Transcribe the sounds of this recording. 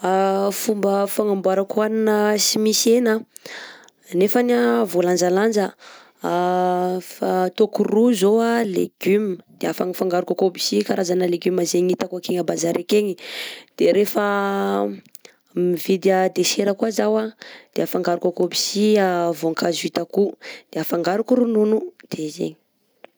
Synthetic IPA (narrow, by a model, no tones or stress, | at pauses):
afumbəfaŋambwaɾakuaninəsimisena | nefanavoland͡ʒaland͡ʒə | fat̪okuruzoalḛɡ̥ymd̪̥eafaŋifaŋɡaɾukakobi̥sikaɾazanəleɡymazeɲit̪akakeŋabazaɾekeŋid̪̥eɾefa | mivid̪əd̪eʃeɾəkwazawad̪̥eafaŋɡaɾukakobisiavoŋkazuit̪akud̪̥eafaŋɡaɾukuɾununud̪̥ezḛɲi̥